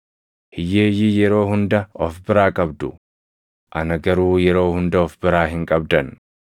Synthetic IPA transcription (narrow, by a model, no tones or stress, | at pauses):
hɪjeːjɪjɛɾo̞ːhʊnd̪ɐɔfbɪɾaːkʼɐbd̪ʊ | ʔɐnɐɡɐɾuːjɛɾo̞ːhʊnd̪ɐɔfbɪɾaːɦɪŋkʼɐbd̪ɐn